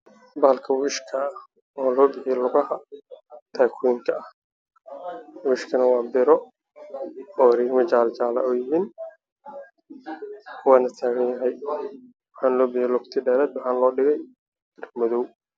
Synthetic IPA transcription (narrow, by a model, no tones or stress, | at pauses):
baːlkʰɐwɪʃkʰɐ | ɔːlɔːbɪħɪjɛlʊɣɐhɐ | t̪ʰaːkʰwiːŋkʰɐɐh | wɪʃkʰɐnɐwɑːbɪɾɔ | ɔːɾiːɡmɐt͡ʃaːlt͡ʃaːlɐ̰ɔːjɪɦiːn | kʰʊwaːnɐt̪ʰaːɣɐnjɐɦɛj | wɑħaːnlɔːbɪħjɛlʊkt̪ʰɪɖɛːɾɛːd̪wɑħaːnlɔːɖɪɣɛj | rmɔðɔw